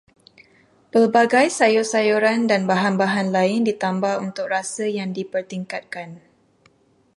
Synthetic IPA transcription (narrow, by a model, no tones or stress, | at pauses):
pəlbaɡajsajɔsajuɾandanbaɦanbaɦanlaɪndit̪ambahunt̪ʊk̚rasəjaŋdipərt̪iŋkat̪̚kan